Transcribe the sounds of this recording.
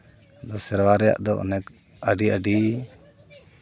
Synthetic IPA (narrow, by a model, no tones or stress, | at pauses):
d̪ɔsɛɾwaɾɛja̰ʔd̪ɔʔɔ̰nɛk | əɖiəɖi